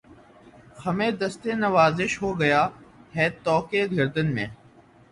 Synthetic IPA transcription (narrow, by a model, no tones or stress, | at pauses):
xɐmẽːd̪əst̪enɐʋaːzɪʃɦoːɡɐjaːɦɛːt̪ɔːkeɡʱɐɾd̪ənmḛ̃ː